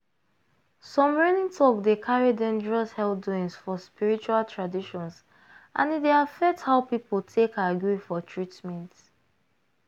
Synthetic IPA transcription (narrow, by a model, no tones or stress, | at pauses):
sɔ̃mɹɛnĩŋtʰɔkdekʰaɹidɛ̃nd͡ʒəɹɔshɛlduĩŋsfɔspiɹit͡ʃualtʰɹadiʃɔ̃ns | ʔã̰nideafɛk̚thaʊpipoltʰekaɡjifɔtʰɹitmɛ̃nt